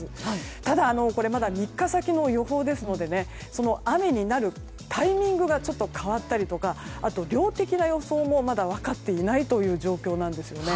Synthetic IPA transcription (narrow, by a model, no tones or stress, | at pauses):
ɨt̪ad̪aːno̞ko̞ɾe̞mad̪amʲikːasakʲino̞jo̞ɦo̞ːd̪e̞sɨno̞d̪e̞ne̞ | so̞no̞ame̞ɲ̟inaɾɯ̟ | t̪ʰaimʲĩŋɡɯ̟ɡat͡ɕo̞t̪ːo̞kʰaβat̪ːaɾʲit̪o̞kaat̪o̞ɾʲo̞ːt̪e̞kʲinajo̞so̞ːmo̞mad̪aβ̞akat̪ːe̞inait̪o̞jɯ̟ːʑo̞ːkʲo̞ːnãnd̪e̞sɨjo̞ne̞